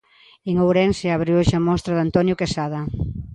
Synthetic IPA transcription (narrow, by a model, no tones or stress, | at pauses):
eŋowɾenseaβɾioʃamɔst̪ɾaðant̪ɔnjʊkesaðɐ